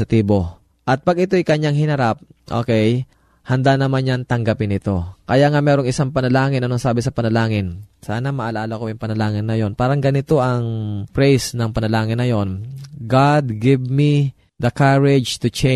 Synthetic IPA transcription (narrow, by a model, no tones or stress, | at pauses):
ɐt̪iːbo̞ | ʔɐt̪̚pɐɡʔɪt̪o̞jkɐɲaŋhɪnɐɾap̚ʔo̰ːkɛj | hɐnd̪anɐmanɲaŋt̪ɐŋɡapɪnɪt̪o̞kɐjaŋamɛːɾo̞ŋʔɪsaŋpɐnɐlaːŋɪnɐnoŋsaːbɪsɐpɐnɐlaːŋɪnsaːnɐmɐʔɐlaːlɐkojʊŋpɐnɐlaːŋɪnːɐjo̞npaːɾɐŋɡɐnɪt̪o̞ʔɐŋpɾɛjsnɐŋpɐnɐlaːŋɪnːɐjo̞nɡad̪̚ɡɪvmi | d̪ɐkaɹɪd͡ʒt̪ʊt͡ʃɛ